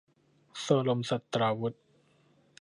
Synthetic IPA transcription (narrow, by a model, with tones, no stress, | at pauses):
sɤː˧lo˧msa˨˩t̪ːɾaː˧wu˦˥t̪̚